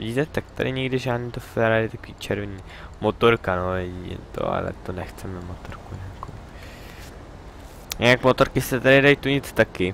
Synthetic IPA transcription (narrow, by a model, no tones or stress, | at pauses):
ḭɟiːt̪ɛt̪ak̚t̪a̰dɪ̰ɲɛɡdɪʒaːdniːt̪ofɛɾaɾɪt̪akoviːt͡ʃɛɾvɛɲiː | mot̪oɾkanoːjɛɟiɛ̰t̪o̰a̰lɛ̰t̪onɛxt͡sɛmɛmot̪oɾkuɲɛakoɪ | jɛnakmot̪oɾkɪsɛt̪aɾɪdajt̪uɲɪt͡st̪akɪ